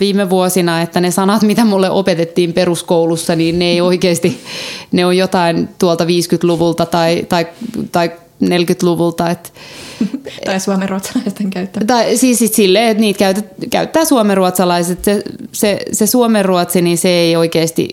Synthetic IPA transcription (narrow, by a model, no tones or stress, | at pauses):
ʋiːmeʋuosinɑet̪ːænesɑnɑt̪mit̪æmulːeʔopet̪et̪ːiːmperuskoulusːɑniːnneeioikeːst̪ineojjot̪ɑint̪uolt̪ɑʋiːskyt̪luʋult̪ɑt̪ɑit̪ɑikt̪ɑik | nelkyt̪luʋult̪ɑet̪ | tɑisuomeruot̪sɑlɑist̪eŋkæyt̪ːæt̪ɑisiːssit̪silːeːet̪niːt̪kæyt̪et̪kæyt̪ːæːsuomeruot̪sɑlɑiset̪sesesesuomerruot̪siniseeioikeːst̪ḭ